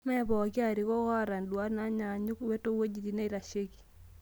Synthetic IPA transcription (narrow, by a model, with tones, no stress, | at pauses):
mɛ˦bɔ˨kɪ˦a˦˨ɾi˨kɔ˦ɣɔ˦ɾa˨ndu˨a˦na˨˦ɲa˨ɲu˦kwe˦to˦wo˦d͡ʒi˨di˨ne˦ɾa˨ʃe˦ki̥˨